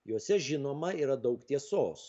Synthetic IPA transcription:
joːsʲɛʒʲɪnoːmɐiːɾɐd̪ɒʊkt̪ʲiɛsoːs

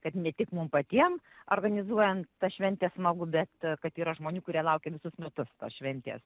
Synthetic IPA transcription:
kɐt̪nʲɛt̪ʲɪkmʊmpɐt̪ʲiɛm | o̰ːrɡɐnʲɪzuɔjɛntt̪ɐʃʲʋʲɛnʲt̪ʲeːsmɐɡʊbʲɛt̪kɐt̪iːɾɐʒmoːnʲuːkʊɾʲiɛlˠɐʊkʲeːʋʲɪsʊsmʲɛt̪ʊst̪o̰sʃʲʋʲɛnʲt̪ʲḛːs

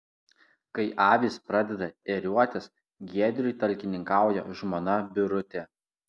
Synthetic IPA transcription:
kɐɪʔɑːʋʲiːspɾɑd̪ʲɛd̪ɐɛɾʲuɔt̪ʲɛs | ɡʲiɛd̪ʲɾʲʊɪt̪ɐlʲkʲɪnʲɪŋkɑˑʊjɛʒmonɐbʲɪɾʊt̪ʲɛ

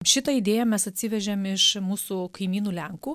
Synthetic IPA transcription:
ʃʲɪt̪ɐid̪ʲeːjɛmʲɛsɐt̪ʲsʲɪʋʲɛʒʲɛmɪʃmuːsukɐɪmʲiːnuːlʲɛŋkuː

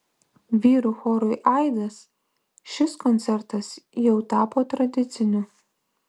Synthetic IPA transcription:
ʋʲiːɾʊxɔːɾʊɪʔɐɪd̪ɐs | ʃʲɪskɔnʲt̪sʲɛɾt̪ɐsjɛʊt̪ɑːpoːt̪ɾɐd̪ʲɪt̪sʲɪnʲʊ

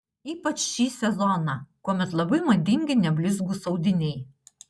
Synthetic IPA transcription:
iːpɐt͡ʃʃʲiːsʲɛzɔnɑˑkuɔmʲɛt̪lˠɐbɐɪmɐd̪ʲɪŋʲɡʲɪnʲɛbʲlʲɪzɡuːsɒʊd̪ʲɪnʲɛɪ

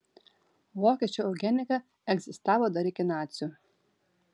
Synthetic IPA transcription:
ʋoːkʲiɛt͡ʃʲuːɐʊɡʲɛnʲɪkɐ | ɛɡzʲɪst̪ɑːʋoːd̪ɐɾʲɪkʲɪnɑːt̪sʲju

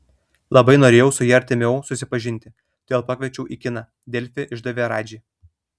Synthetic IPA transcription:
lˠɐbɐɪnoːɾʲeːjɛʊsʊjiːɐɾʲt̪ʲɪmʲɛʊsʊsʲɪpɐʒʲɪnʲt̪ʲɪ | d̪̥ʲeːlˠpɑkʲʋʲɛt͡ʃʲɛʊʔiːkʲɪnɑː | d̪ʲɛlʲfʲɪʔɪʒd̪ɐʋʲeːɾɑːd͡ʒʲiː

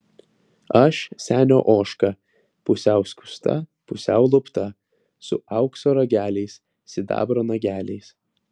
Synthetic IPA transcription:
ɐʃsʲæːnʲo̰ːʔoːʃkɐ | pʊsʲæˑʊsʲkʲʊ̥st̪ɐ̰pʊsʲæʊlˠʊpt̪ɐ | sʊ̰ɐʊksoːɾɐɡʲæːlʲɛɪs | sʲɪd̪ɑ̰ːbɾoːnɐɡʲæːlʲɛɪs

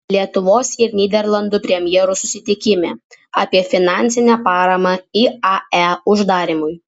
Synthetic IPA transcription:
lʲiɛt̪ʊʋoːsʲɪɾnʲiːd̪ʲɛɾlˠɐnd̪ʊpʲɾʲɛmʲjɛɾʊsʊsʲɪt̪ʲɪkʲɪmʲeːɑːpʲiɛfʲɪnɑːnʲsʲɪnʲɛpɑːɾɐmɐiɑæʊʒd̪ɑːɾʲɪmʊj

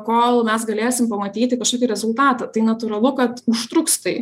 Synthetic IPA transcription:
koːlˠmʲɛsɡɐlʲeːjsʲɪmpɐmɐt̪ʲiːt̪ʲɪkɐʃkoːkʲɪɾʲɛzʊlˠt̪ɑːt̪ɐt̪ɐɪnɐt̪ʊɾɐlˠʊkɐt̪ʊʃt̪ɾʊkst̪ɐɪ

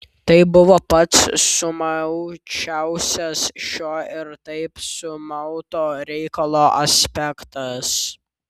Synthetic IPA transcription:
t̪ɐɪbʊʋoːpɐt̪sʊmɐʊt͡ʃʲæʊsʲɛsʃʲoːɪɾt̪ɐɪpsʊmɐʊt̪oːɾʲɛɪkɐlˠoːʔɐsʲpʲɛkt̪ɐs

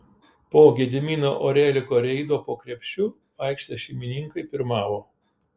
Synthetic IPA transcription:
poːɡʲɛːd̪ʲɪmʲiːnoːʔoːɾʲɛːlʲɪkoːɾʲɛɪd̪oːpoːkɾʲɛpʲʃʲʊ | ɐɪkʃt̪ɐʃʲɛɪmʲɪnʲɪŋkɐɪpʲɪɾmɑːʋoː

